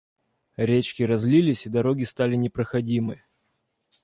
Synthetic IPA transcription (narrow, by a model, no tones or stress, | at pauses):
ɾʲet͡ɕkʲɪɾɐzlʲilʲɪsʲɪd̪ɐɾo̞ɡʲɪst̪alʲɪnʲɪpɾəxɐdʲimɨ